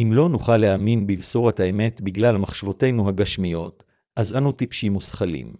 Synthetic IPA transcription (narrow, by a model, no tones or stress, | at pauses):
ʔimlo̞nuχalːeaminbivsoʁathaeme̞tbiɡlalmaχʃavo̞te̞jnuɦaɡaʃmijo̞t | ʔazanutipʃimusχalḭm